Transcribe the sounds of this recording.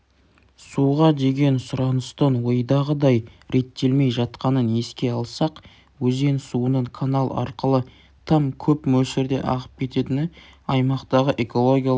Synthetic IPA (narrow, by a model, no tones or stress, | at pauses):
suʁɑd̪e̞ɡʲe̞nsʊɾɑnəst̪ənwo̞jd̪ɑʁəd̪ɑjɾe̞t̪ːe̞lme̞jʒɑt̪qɑnəne̞skʲe̞ɑlˠsɑq | wɵze̞nsuənəɴkʰanalˠɑ̰ɾqəlˠə | t̪ʰɑmkʲʰɵpmɵsɪɾd̪e̞̰ʔɑ̰ʁə̥p̚kʲʰe̞t̪e̞t̪ɪnɪɑjmɑqt̪ɑʁəʔe̞ko̞lˠo̞ɡʲija